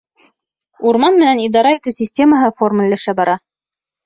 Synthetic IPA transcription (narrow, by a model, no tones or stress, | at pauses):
uɾmɑnmɘ̆nænid̪ɑɾɑit̪ʉsʲisʲtʲe̞məɦɤformə̆lʲlæʃæbɑɾɑ